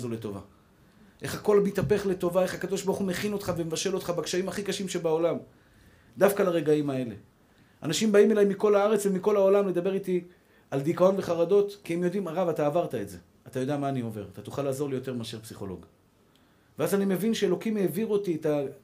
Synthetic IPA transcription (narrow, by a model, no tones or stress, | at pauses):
zole̞t̪o̞va̰ | ʔe̞χako̞lmit̪ape̞χle̞t̪o̞vae̞χakad̪o̞ʃbaʁuχumeχino̞t̪χavemevaʃe̞lo̞t̪χabakʃaimhaχikaʃimʃe̞baolam | d̪afkalaʁe̞ɡaimae̞le̞̰ | a̰naʃimbaime̞lajmiko̞laaʁe̞t͡svemiko̞lao̞lamled̪abe̞ʁit̪i | ald̪ikao̞nve̞χaʁado̞tkiemjo̞d̪imaʁavat̪aːvaʁt̪aetze̞̰ | at̪ajo̞d̪eamaːnio̞ve̞ʁat̪at̪uχalaːzo̞ʁlijo̞t̪e̞ʁmaʃeʁpsiχo̞̰lo̞̰ɡ | veazanime̞vinʃeelo̞kimeːviʁuotieta